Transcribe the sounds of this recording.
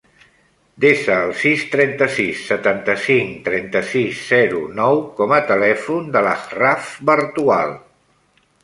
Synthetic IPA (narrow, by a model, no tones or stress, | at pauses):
d̪esəːlˠsist̪ɾɛnt̪əsisːət̪ant̪əsiŋt̪ɾɛnt̪əsizːɛɾunɔwkɔmət̪əlɛfund̪ələrafbəɾt̪ua̰lˠ